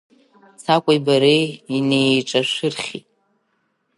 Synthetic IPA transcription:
t͡sʰakʷʼajbaɾeine̞jʈ͡ʂʼaʃʷɨrχʲitʼ

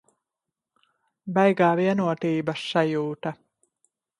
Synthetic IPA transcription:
bɛjɡaːviɛnuɔt̪iːbɐsːajuːt̪ɐ

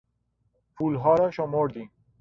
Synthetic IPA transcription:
pʰuːlɦɒːɾɒːʃomoɾd̪iːm

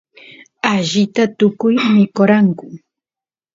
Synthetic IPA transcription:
aʒɪt̪at̪ʊkʊjmɪkoɾaŋkʊ

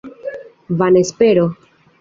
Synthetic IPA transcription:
vanespeɾo

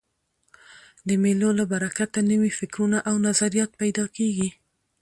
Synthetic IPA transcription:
d̪əmelolabaɾakat̪anəwifɪkɾunaʔawnazaɾijɑt̪̚pajd̪ɑkeɡi

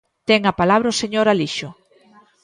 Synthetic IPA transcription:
t̪ɛŋapalaβɾɐʊseɲoɾaliʃʊ

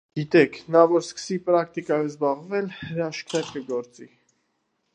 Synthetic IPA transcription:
ɡ̥it̪ɛkʰnɑvɔɾskə̥sipɾɑk̚t̪ikɑjɛvzbɑʁvɛlhəɾɑʃk̪ʰɛɾkəɡɔɾt͡si

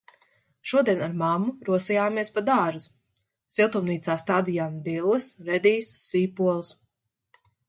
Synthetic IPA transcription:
ʃuɔd̪iɛnaɾmamːuɾuɔsijaːmiɛspad̪aːʒuz | silˠt̪umniːt̪saːst̪ad̪ijamd̪ilˠːɨsɾɛd̪iːssiːpuɔlˠs

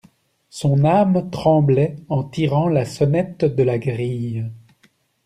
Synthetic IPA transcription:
sɔ̃namt̪χɑ̃blɛɑ̃t̪iʁɑ̃lasɔnɛt̪d̪əlaɡʁij

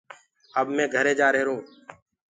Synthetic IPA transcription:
əbmɛ̃ːɡʱəɾeːd͡ʒaːɾəɦeːɾũː

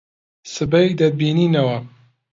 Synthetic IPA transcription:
sɨbɐjd̪ɐd̪̚biːniːnɐwɐ

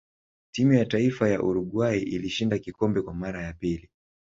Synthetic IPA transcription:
timujataifajaʔuɾuɡwaiʔiliʃindakikɔmbɛkwamaɾajapili

